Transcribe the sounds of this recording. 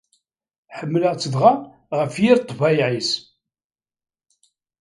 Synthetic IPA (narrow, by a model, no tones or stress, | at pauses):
ħəmːləʁt͡sːəðʁɑ | ʁəfjiɾt̪ˤːvɑjʕis